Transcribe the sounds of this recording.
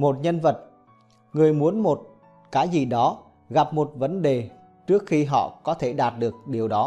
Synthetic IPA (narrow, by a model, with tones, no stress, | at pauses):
mo˨˩t̚ɲə˧nvə˨˩t̚ | ŋɨ˨˩əjmu˨˦ənmo˨˩t̚ | kaː˨˦jzi˨˩ɗɔ˨˦ | ɣa˨˩p̚mo˨˩t̚və˨˦nɗe˨˩ | t͡ɕɨ˦˥ək̚xi˧ɦɔ̰˧˨kɔ˨˦t̪ʰe˧˩ɗaː˨˩t̚ɗɨ˨˩ək̚ɗi˨˩əwɗɔ˨˦